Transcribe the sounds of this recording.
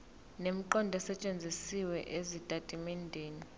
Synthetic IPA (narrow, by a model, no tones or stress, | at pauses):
nem̩ǃɔndʱɛsɛt͡ʃʼend͡zʱisiwɛʔezitʼatʼimɛndʱeːni